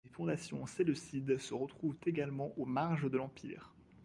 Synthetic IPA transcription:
efɔ̃d̪asjɔ̃selɔsid̪səʁət̪χuvt̪eɡalmɑ̃ʔomaʁʒəd̪əlɑ̃pḭːʁ

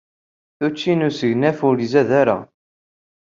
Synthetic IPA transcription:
θut͡ʃːinusəʝnæfʊɾizæðaɾæ̰

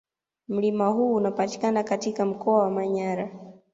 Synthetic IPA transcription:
m̩limahuːnapati̥kanakatikam̩kɔawamaɲaɾa

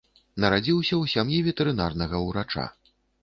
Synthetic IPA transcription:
nɐɾad͡zʲiwsʲɐwsʲamjivʲɛt̪ɛɾɨn̪arnɐɣɐuwɾat͡ʂa̰

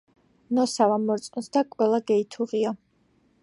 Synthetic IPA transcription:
nɔsavamɔɾt̪sʼunsd̪akʼwɛlˠaɡɛit̪ʰuʁia

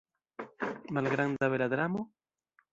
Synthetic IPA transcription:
malɣɾand̪aβelaðɾamo

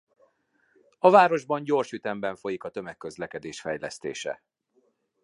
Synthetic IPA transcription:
ɒvaːɾo̞ʒbɒɲɟo̞rʃyt̪ɛmbɛɱfo̞jikɒt̪ø̞mɛkːø̞zlɛkɛd̪eːʃfɛjlɛst̪ḛːʃɛ̰

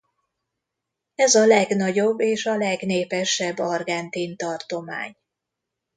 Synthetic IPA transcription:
ɛzɒlɛɡnɒɟo̞bːeːʃɒlɛɡneːpɛʃːɛbːɒrɡɛnt̪int̪ɒrt̪o̞ma̰ːɲ

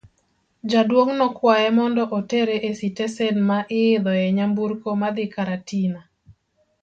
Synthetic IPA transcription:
d͡ʒadwoŋnɔkwajɛmɔndɔʔoteɾeʔesitesɛnmaʔɪɪd̪ɔjɛɲambuɾkomad̪ɪkaɾatina

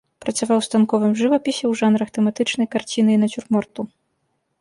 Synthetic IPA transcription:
pɾɐt͡ssʲavawst̪ankɔvɨmʐɨvɐpʲisʲɛwʐanɾɐxt̪ɛmat̪ɨt͡ʂnɐjkart͡sʲinɨinɐt͡sʲurmɔrt̪u

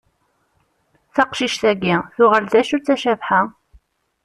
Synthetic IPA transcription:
θɑqʃiʃθæɡiθʊʁəld̪æʃut͡sːæʃævħa

